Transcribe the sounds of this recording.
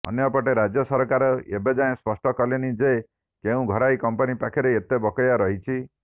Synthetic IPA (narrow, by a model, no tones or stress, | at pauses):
ɔ̰njɔpɔʈeɾad͡ʒjɔsɔɾɔkaɾɔḛbed͡ʒaẽspɔsʈɔkɔlenid͡ʒe | keũɡʱɔɾajkɔmpɔnipakʰiɾeːt̪ebɔkɔjaɾɔɦit͡ʃʰi